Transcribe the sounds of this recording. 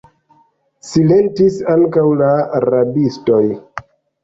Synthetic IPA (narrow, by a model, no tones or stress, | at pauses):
sile̞ntisaŋkawlaaɾabisto̞j